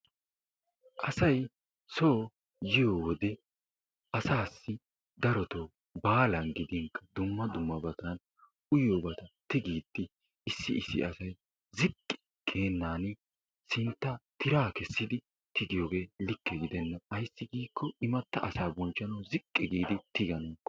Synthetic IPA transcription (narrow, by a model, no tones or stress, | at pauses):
ʔɐsɐj | so̞ː | jɪjowɔd̪ɛ | ʔɐsaːsːɪ | d̪ɐɾɔt̪ow | baːlɐnɡɪd̪ɪŋkːɐ̥d̪ʊmːɐd̪ʊmːɐbɐt̪ɐn | ʊjobɐt̪ɐt̪ɪɡiːd̪ːɪ | ɪsːɪɪsːɪ̰ɐsɐj | zɪkʼːɪ̥ | kʰe̞ːnːaːnɪ | sɪnt̪ːɐt̪ɪɾaːkɛsːɪd̪ɪ | t̪ɪɡɪjoːɡe̞ːlɪkːɛɡɪd̪ɛnːɐɐjsːɪɡiːkʰːɔɪmɐt̪ːɐʔɐsaːbɔnt͡ʃːɐnɐwzɪkʼːɛɡiːd̪ɪt̪ɪɡɐnɔŋkːɔ̥